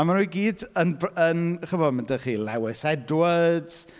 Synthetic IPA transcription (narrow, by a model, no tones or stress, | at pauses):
amanɾujɡiːdənbənχəvɔdməndəχiːlɛwɪsɛdwəd̥